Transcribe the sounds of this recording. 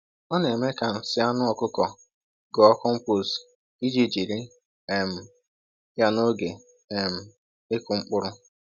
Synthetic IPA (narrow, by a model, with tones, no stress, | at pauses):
ɔ˦ne˨me˦ka˨n̩˨sɪ˦a˦nʊ˦ɔ˨kʊ˦kɔ˨ | ɡɔ˨ɔ˦kɔ˦ŋ͡m̩˦po˦s | i˦d͡ʒi˦d͡ʒi˨ɾi˦ | e˨m̩˨ | ja˦no˦ɡe˨ | e˨m̩˨ | e˦kʊ˨ŋ͡m̩˦k͡pʊ˦ɾʊ˦